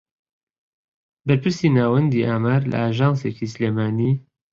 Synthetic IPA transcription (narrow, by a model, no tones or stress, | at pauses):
bɐɾpɨɾsiːnaːwɐnd̪iːʔaːmaːɾlɐ̰aːʒɑːnseːcisleːmaːniː